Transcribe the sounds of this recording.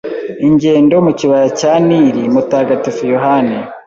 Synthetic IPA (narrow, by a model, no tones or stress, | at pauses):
iɲɟe̞ːndomuciβajacaniɾimutaːɡatifujoɦane